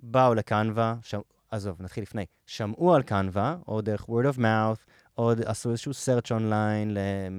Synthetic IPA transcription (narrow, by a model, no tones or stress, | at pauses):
baulekanvaʃam | azovnat̪χilːifnej | ʃamʔualkanvaodeʁeχwɛɾdovmawθ | odasuezeʃuseʁt͡ʃonlajnle